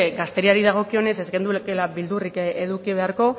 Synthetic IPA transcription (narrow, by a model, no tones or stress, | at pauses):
ɡast̪eɾiaɾiðaɣ̞o̞kio̞ne̞se̞zɣe̞nd̪ukelaβild̪urikeðukiβe̞aɾko̞